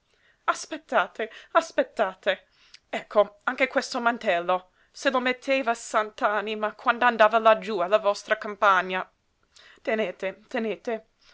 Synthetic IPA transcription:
aspet̪ːaːt̪easpet̪ːaːt̪e | ɛkʰːoaŋk̟ekwɛst̪omant̪ɛlːo | selomet̪ʰːeːvasant̪aanimakʰwand̪oand̪aːvalad͡ʒualːavɔst̪ɾakampaɲːa | t̪eneːt̪et̪eneːt̪e

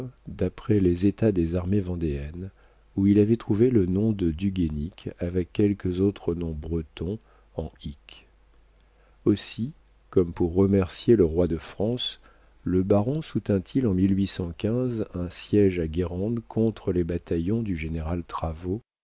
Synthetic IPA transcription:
d̪apχɛlezet̪ad̪ezaʁmevɑ̃d̪eɛn | uilavɛt̪χuvelənɔ̃d̪əd̪yɡʲenikavɛkʲːɛlkəzot̪χənɔ̃bʁət̪ɔ̃ | ɑ̃ik | osi | kɔmpuʁːəmɛʁsjeləʁwad̪əfχɑ̃s | ləbaʁɔ̃sut̪ɛ̃t̪ʰilɑ̃milɥisɑ̃kʲɛ̃zɛ̃sjɛʒaɡʲeʁɑ̃d̪kʰɔ̃t̪χəlebat̪ajɔ̃d̪yʒeneʁalt̪χavo

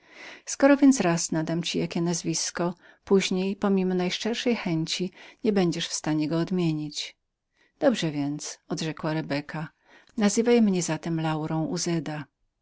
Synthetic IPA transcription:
skɔɾɔvʲjɛnt̪sɾasnad̪amt͡ɕijakʲɛnazvʲiskɔpuʑɲejpɔmʲimɔnajʂɛɾʂɛjxɛɲt͡ɕiɲɛbɛɲd͡ʑɛʂfst̪aɲɛɡɔːd̪mʲjeɲit͡ɕ | d̪̥ɔbʐɛvʲjɛnt̪sɔd̪ʐɛkwaɾɛbɛkʰa | nazɘvajmɲɛzat̪ɛmlawɾɔ̃w̃ʔuzɛd̪a

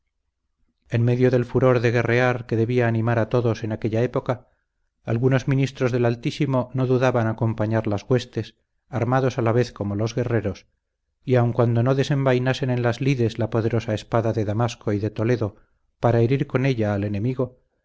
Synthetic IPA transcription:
e̞nme̞ðjoðe̞lfuɾo̞ɾðe̞ɣe̞re̞aɾke̞ðe̞βiaːnĩmaɾat̪o̞ðose̞nake̞ʎae̞po̞kaː | lɣuno̞zmĩnist̪ɾo̞zðe̞lalt̪isimo̞no̞ðuðaβanako̞mpaɲaɾlazɣwe̞st̪e̞s | aɾmaðo̞salaβe̞θko̞mo̞lo̞zɣe̞re̞ɾo̞s | iawŋkwand̪o̞noðe̞se̞mbajnase̞nẽ̞nlazliðe̞zlapoð̞e̞ɾo̞sae̞spaðaðe̞ðamasko̞iðe̞t̪o̞le̞ðo̞ | paɾaeɾiɾko̞ne̞ʎaːle̞ne̞miɣo̞

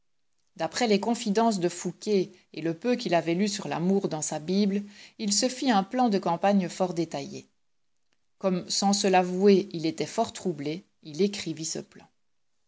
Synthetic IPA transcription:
d̪apχɛlekɔ̃fid̪ɑ̃s̬d̪əfukʲe | eləpøkʲilavɛlysyʁla̰muːʁd̪ɑ̃sabiblilsəfiɛ̃plɑ̃d̪əkɑ̃paɲfɔʁd̪et̪ajḛ | kɔmsɑ̃səlavueilet̪ɛfɔʁt̪χuble | ilekχivisə̰plɑ̰̃

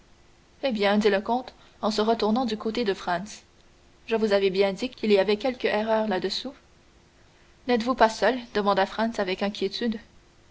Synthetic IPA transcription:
ebjɛ̃d̪iləkɔ̃t̪ | ɑ̃səʁət̪uʁnɑ̃d̪ykot̪ed̪əfχɑ̃ns | ʒəvuzavɛbjɛ̃d̪ikʲiliavɛkʲɛlkʲəʔɛʁœːʁlad̪əsu | nɛt̪vupasœld̪əmɑ̃d̪afχɑ̃nsavɛkɛ̃kʲjet̪yd̪

